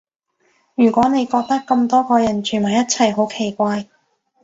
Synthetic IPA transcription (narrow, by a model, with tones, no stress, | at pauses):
jyː˨˩kʷɔː˨˥ne˨˧jkɔː˧k̚t̪ɐ˥kːɐ˧mt̪ɔː˥kɔː˧jɐ˨˩nt͡ʃʰy˨˩nmɐ˨˩jɐ˥t̚t͡sʰɐ˨˩jɦo˨˥wkʰe˨˩jkʷaː˧j